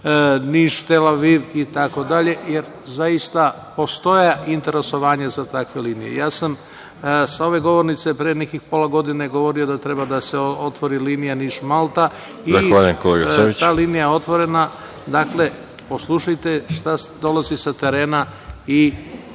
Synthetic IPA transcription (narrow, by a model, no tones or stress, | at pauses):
niːʃt̪elaʋiʋit̪ako̞d̪aʎe̞jeɾ | zaist̪a | po̞st̪o̞jaʔint̪e̞ɾe̞so̞ʋaːɲazat̪akʋe̞liːnijḛjaːsam | sao̞ʋe̞ɡo̞ʋo̞ɾnit̪se̞pɾejenekixpo̞laɡo̞d̪ineɡo̞ʋo̞ɾio̞d̪at̪ɾe̞bad̪ase̞ot̪ʋo̞ɾiliːnijaniːʃmalˠt̪a | izaxʋaːʎujemkoleɡaoit̪aːliːnijaeo̞t̪ʋo̞ɾe̞na | d̪akle̞ | po̞slˠuʃajt̪eʃt̪asd̪o̞lˠazisat̪e̞ɾeːnai